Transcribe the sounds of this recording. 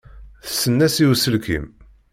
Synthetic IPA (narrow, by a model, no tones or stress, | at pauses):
θə̥sːənːæsiwsəlkḭm